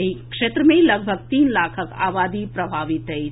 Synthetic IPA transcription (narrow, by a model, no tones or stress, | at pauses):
ikʂet̪ɾəmẽiləɡ̚bʱəɡ̚t̪iːnlakʰəka̰ʋad̪ipɾəbʱaʋit̪ːəi